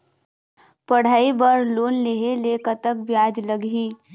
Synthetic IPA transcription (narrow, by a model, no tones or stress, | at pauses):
pəɽ̤aːibəɾloːnleɦeleːkət̪ək̚bjaːd͡ʒləɡɦiː